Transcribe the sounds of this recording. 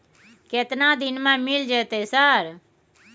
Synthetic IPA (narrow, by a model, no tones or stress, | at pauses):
ket̪nãːd̪ɪnmãːmɪld͡ʒeːt̪eːsəɾ